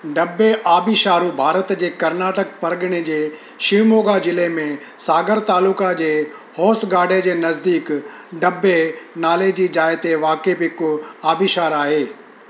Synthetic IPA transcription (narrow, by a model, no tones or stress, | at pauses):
ɖɐbːeʔaːbiʃaːɾubʱaːɾət̪d͡ʑeːkɐɾnaːʈək̚pɐɾɠəɽ̃ed͡ʑeː | ʃimoːɡad͡ʑɪlemẽ | saːɡəɾt̪aːluːkad͡ʑeː | hɔːsɡaːɖʱed͡ʑeːnɐzd̪iːk | ɖɐbːenaːled͡ʑiːd͡ʑaːɪt̪eʋaːkebɦɪkaːbiʃaːɾaːɦeː